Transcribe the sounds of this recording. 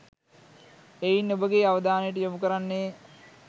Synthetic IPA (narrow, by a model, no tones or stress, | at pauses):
ejinːobəɡeːaʋəd̪aːnəjəʈ̬əjomukəɾanːe